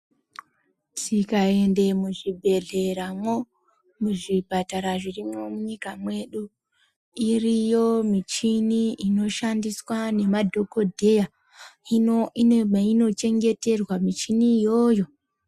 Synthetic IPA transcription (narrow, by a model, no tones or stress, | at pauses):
tʰikae̞nde̞muʐibʱe̞ɮe̞ɾamwo̞ | muʐibʱataɾaʐirimo̞muɲikamwe̞ɗu | irijo̞mit͡ʃiniino̞ʃandiswane̞madʱo̞ko̞dʱe̞ja | i | ino̞t͡ʃe̞ŋɡe̞te̞rwamit͡ʃinijo̞ːjo̞